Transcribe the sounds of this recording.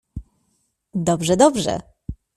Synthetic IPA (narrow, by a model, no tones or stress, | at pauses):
d̪ɔbʐɛd̪ɔbʐɛ̰